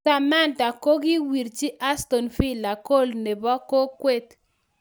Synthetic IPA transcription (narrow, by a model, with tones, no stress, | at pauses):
a˨ma˦˨nda˨ko˦ɡɪ˦wi˨ɾt͡ʃi˦ʔa˦st̪o˨nfi˦la˨ko˦˨lne˨bɔ˦ko˦kwe˦t̪